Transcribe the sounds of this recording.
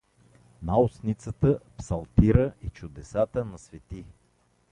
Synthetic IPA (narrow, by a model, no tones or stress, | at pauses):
naʊsnit̪sət̪əpsɐlˠt̪iɾəit͡ʃʊd̪ɛsat̪ənɐsvɛt̪i